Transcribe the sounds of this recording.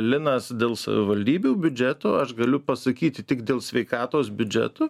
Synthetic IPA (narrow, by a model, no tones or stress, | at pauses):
lʲɪnɐsd̪ʲeːlˠsɐ̰ʋʲɪʋɐlʲd̪ʲiːbʲuːbʲʊd͡ʒʲɛt̪oːɐʃɡɐlʲʊpɐsɐkʲiːt̪ʲɪt̪ʲɪkd̪ʲeːlˠsʲʋʲɛɪkɑːt̪oːsbʲʊd͡ʒʲɛ̰t̪oː